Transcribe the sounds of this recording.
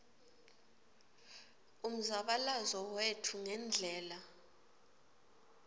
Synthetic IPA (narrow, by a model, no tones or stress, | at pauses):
um̩zaɓalazɔwetʰuŋɛnd͡ɮʱɛːla